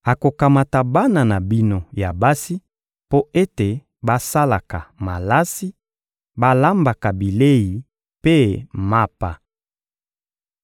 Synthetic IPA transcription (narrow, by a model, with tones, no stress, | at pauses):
a˨ko˨ka˨ma˨ta˨ba˦na˨na˨bi˦no˨ja˨ba˦si˦ | po˦e˦te˨ | ba˦sa˦la˨ka˨ma˨la˦si˦ | ba˦la˦mba˨ka˨bi˨le˦ji˨ | pe˦ma˦pa˨